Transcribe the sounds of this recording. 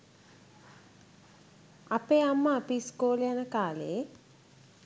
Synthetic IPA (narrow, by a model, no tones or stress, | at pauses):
apeːamːəːpiskoːlejanəkaːlḛe